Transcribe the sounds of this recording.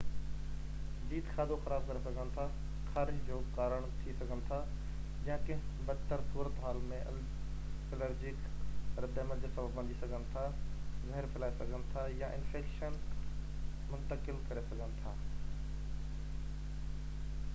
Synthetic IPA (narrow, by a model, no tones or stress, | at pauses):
d͡ʑiːd̪xʰaːd̪ʱoxɐɾaːb̚kɐɾesɐɡʱənɪ̆t̪ʰa | xaːɾɪd͡ʑd͡ʑoːkaːɾəɽ̃t̪ʰisɐɡʱənɪ̆t̪ʰa | d͡ʑjãkɐ̃ɦɪ̃bɐt̪əɾsuːɾət̪ɦaːlmẽ | ɛləɾd͡ʑɪkɾɐd̪eːməld͡ʑoːsɐbəbːɐ̃nd̪ʱisɐɡʱənɪ̆t̪ʰazɐɦɾfʰɪlaːisɐɡʱənɪ̆t̪ʰajaʔɪ̰̃nfeːkʃən | mʊ̃nt̪əkɪlkɐɾesɐɡʱənɪ̆t̪ʰaː